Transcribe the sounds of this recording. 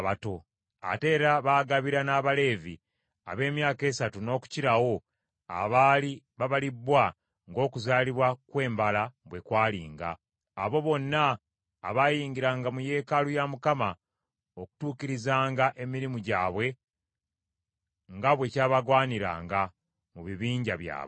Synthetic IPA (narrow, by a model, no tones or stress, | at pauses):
βato̞ | a̰te̞ːɾaβaːɡaβiɾanaːβale̞ːvḭ | a̰βe̞ːmjaːke̞ːsatuno̞ːku̥ciɾawo̞ | a̰βali | βaβalibwa | ŋɡo̞ːkuzaːliβwakwe̞ːmbalaβwe̞kwaːlḭːŋɡa̰ː | βo̞βo̞nːaː | βajiːŋɡiɾaŋɡamuje̞ːkalujamukama | oku̥tuːkiɾizaːŋɡaʔe̞miɾimuɟa̰ːβwe̞ | ŋɡaβwe̞caːβaɡwaːniɾa̰ːŋɡa | muβiβiːɲɟaβja̰ː